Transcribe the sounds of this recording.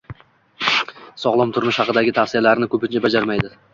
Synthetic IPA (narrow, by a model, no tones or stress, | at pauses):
sɒʁlˠɪmt̪ʰʊɾmɪʃhɑqɨd̪aɡʲɪt̪ʰafsijalaɾɪnɪkʲʰɵpɪnt͡ʃʰabad͡ʒaɾmajd̪ɪ